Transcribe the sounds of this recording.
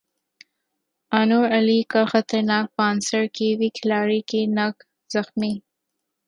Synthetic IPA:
anoɾalikaxat̪aɾnɑk̚pɑnsaɾkewikʰɪlɑɾikenak | z̥axmi

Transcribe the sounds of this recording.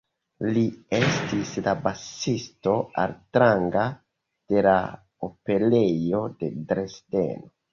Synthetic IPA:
liestislabasisto̞a̰ltɾaŋɡa | d̥e̞la̰ | ope̞lejo̞de̞dɾesdḛno

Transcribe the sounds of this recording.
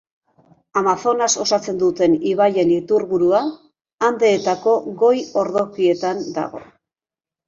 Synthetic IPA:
amaθo̞naso̞sat͡se̞nd̪ut̪e̞niβ̞aje̞nit̪uɾɣuɾuaː | nd̪e̞ːt̪ako̞ɣo̞jo̞ɾðo̞kie̞t̪and̪a̰ɣ̞o̞̰

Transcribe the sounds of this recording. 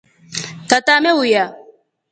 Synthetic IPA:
tatamewuja

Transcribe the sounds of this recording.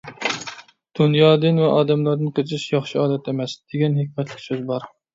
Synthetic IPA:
d̪̥unjɑːd̪ɨnvɛʔɑːd̪ɛmlˠɑɾd̪ɨnqʰət͡ʃʰɪʃjɑχʃiɑːd̪ɛt̪ʰemɛsd̪̥eɡʲɛnhekʲmɛt̪ʰlɪ̥kʲsøzbɑɾ

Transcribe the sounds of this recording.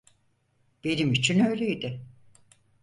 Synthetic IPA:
b̥enimit͡ʃʰinøjlʲejid̪ɪ

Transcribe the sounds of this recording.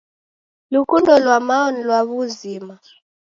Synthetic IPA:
lukʼundɔlwamaɔnilwaβuziːma

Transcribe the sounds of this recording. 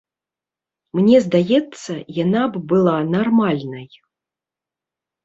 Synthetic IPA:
mnʲɛzd̪ajɛt̪sːɐjanabbɨlˠanarmalʲnɐj

